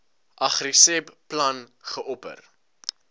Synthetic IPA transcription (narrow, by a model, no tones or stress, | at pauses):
ʔɐχrisɛbplɐnχəʔɔpə̰r